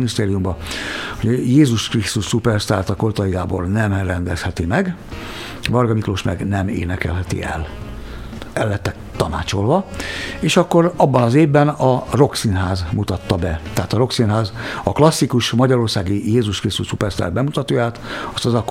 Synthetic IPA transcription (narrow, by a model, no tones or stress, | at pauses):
nist̪eːɾijumbɒhoɟjeːzuʃkrist̪uʃsupɛrst̪aːrt̪ɒkort̪ɒjiɡaːbo̞̰rnɛmrɛnd̪ɛshɛt̪imɛɡ | bɒrɡɒmikloʃmɛ̰ɡnɛmḛːnɛkɛ̰lɦɛt̪ḭɛ̰l | ɛlːɛt̪ːɛ | t̪ːɒna̰ːt͡ʃo̞lvɒeːʃɒkːo̞ɾɒbːɒnɒzeːvbɛnɒro̞ksinɦaːzmut̪ɒt̪ːɒbɛt̪ɛɦaːt̪ɒɾo̞ksinɦaːzɒklɒsːikuʃmɒɟɒɾo̞rsaːɡijeːzuʃkrist̪uʃsupɛrst̪a̰rt̪bɛmut̪ɒt̪oːjaːt̪ɒst̪ɒzɒkː